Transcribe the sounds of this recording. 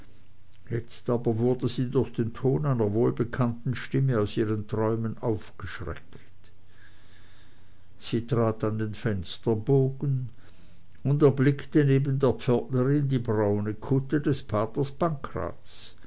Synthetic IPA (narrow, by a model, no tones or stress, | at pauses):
jɛt͡staːbɐvʊɐdəziːdʊɐxd̥eːntʰoːnaɪnɐvoːlbəkʰantn̩ʃtɪməaʊsiːʁəntʁ̥ɔʏmənaʊfɡ̥əʃʁɛ̰k | t | siːtʁ̥aːtandeːnfɛnstɐboːɡn | ʊndɛɐblɪktəneːbən̩deːɐpp͡fœɐtnəʁɪndiːbʁaʊnəkʰʊtədɛsfaːtəsb̥aŋkʁa̰ːtt͡s